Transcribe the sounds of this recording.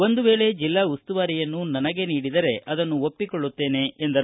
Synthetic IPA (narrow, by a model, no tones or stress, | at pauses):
o̞nd̪uʋe̞ːɭe̞d͡ʒilːaːust̪uʋaːɾijɐnːunɐnɐɡe̞niːɽid̪ɐɾe̞ʔɐd̪ɐnːuopːikoɭːut̪ːe̞ːne̞end̪ɐɾ